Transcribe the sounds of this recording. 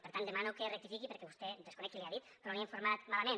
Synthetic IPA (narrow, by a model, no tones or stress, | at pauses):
peɾt̪and̪emanukerek̚t̪ifikipeɾkɛβust̪ed̪eskunɛkileaðit̪ɾoliẽɱfuɾmat̪malamẽn